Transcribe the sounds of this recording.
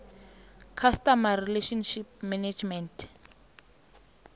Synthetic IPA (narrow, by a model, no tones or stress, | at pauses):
kʰastamarileʃɔnʃip̚mɛned͡ʒmɛntʰ